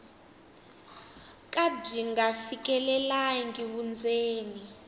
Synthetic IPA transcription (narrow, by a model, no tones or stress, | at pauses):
kʼab͡ʐiŋɡafik̬ʼɛlɛlaŋɡiwund͡zʱeːni